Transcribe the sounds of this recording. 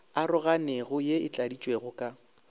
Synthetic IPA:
arʊɣaneɣʊjeɪt͡ɬʼadit͡ʃʼweɣʊkʼa

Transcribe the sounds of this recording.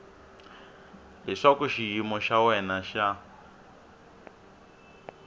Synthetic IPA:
ɦɛʂakuʃijimɔʃawɛnaʃa

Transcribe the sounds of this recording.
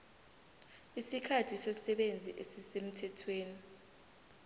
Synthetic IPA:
isikʰatʰisɔsɛɓend͡zʱḭʔesisem̩tʰɛtʰweːni

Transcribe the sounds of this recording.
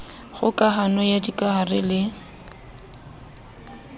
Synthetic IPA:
χʊkʼaɦanɔjadikʼaɦarɪlɪ

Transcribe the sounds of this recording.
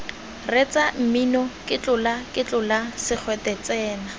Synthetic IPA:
ret͡sam̩minɔkʼɪt͡ɬʊlakʼɪt͡ɬʼʊlasɪk͡xʰwɛtɛt͡sɛːna

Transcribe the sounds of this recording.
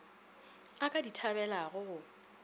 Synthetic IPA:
akʼaditʰabɛlaɣʊɣʊ

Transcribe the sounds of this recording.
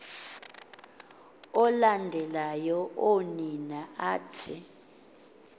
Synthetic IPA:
ɔlandʱɛlajɔʔoninaaːtʰi

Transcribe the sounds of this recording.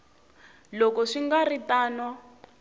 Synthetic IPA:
lɔkɔʂiŋɡaritaːna

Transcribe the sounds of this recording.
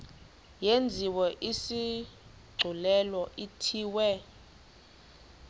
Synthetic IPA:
jend͡zʱiwɔʔisi | ɡ͡ǀʱulɛlɔʔitʰiːwɛ

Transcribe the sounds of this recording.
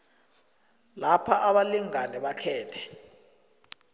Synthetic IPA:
lapʰaʔaɓaliŋanɛɓakʰɛːtʰɛ̥

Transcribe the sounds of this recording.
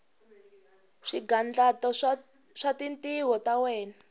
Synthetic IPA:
ʂiɡand͡ɮatɔ | ʂatintiɦɔtawɛːna

